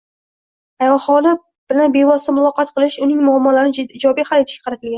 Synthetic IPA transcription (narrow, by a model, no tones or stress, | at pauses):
ajɒχɒlˠɪ | b̥ɪlanbevɒst̪amʊlˠɒqɑt̪qʰɨlˠɪʃʊnɪŋmʊamːɒlaɾɪnɪɪd͡ʒɒbijhalet̪ʰɪʃkʲḁqʰɾat̪ʰɪlɡʲan